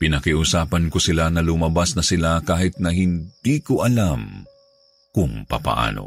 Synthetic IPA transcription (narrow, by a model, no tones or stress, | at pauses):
pɪnɐkiʔʊsaːpɐnkosɪlanɐlʊmɐbasnɐsɪlakaːhɪt̪̚nɐhɪnd̪̥iːkoʔɐlam | kʊŋpɐ̰pɐ̰ʔa̰ːno̞̰